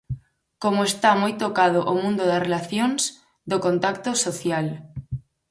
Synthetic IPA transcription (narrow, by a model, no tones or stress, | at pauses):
komoest̪amojt̪okað̞ʊʔomũnd̪ʊðɐsrelaθjoŋs | d̪okont̪akt̪osoθjal